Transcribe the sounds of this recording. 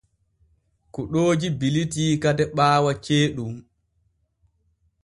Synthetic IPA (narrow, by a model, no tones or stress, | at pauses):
kuɗoːd͡ʒibilitiːkadɛɓaːwat͡ʃeːɗum